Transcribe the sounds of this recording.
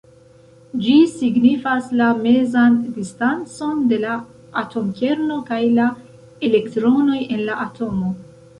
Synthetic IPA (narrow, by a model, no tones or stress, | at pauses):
d͡ʒisiɡnifaslame̞zandistant͡so̞nde̞la | atʰo̞mkʲe̞ɾno̞kajla | e̞le̞ktɾo̞no̞je̞nlaʔatʰo̞mo̞